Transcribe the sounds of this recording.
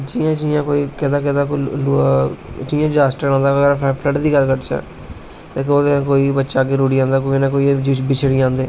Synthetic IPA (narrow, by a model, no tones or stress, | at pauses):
d͡ʒiːãːt͡ʃiːãːkoːiːkɪd̪aːk̬ɪd̪aːkolu | t͡ʃiːãːd͡ʒaːsʈəɾãːnd̪aːɾʰpʰləʈd̪iːkəɾkəʈt͡ʃa̰ː | t̪eːk̬ːoːd̪ẽːkoːiːbətːʃaːɡeːɾuːɽiːãːnd̪aːkoːinãːkoːid͡ʒbɪt͡ʃʰɽiːãːnd̪eː